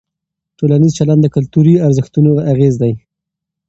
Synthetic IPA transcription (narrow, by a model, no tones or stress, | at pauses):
ʈolanizt͡ʃaland̪d̪əkʊlt̪uɾiaɾzəxt̪unoaaɣezd̪aj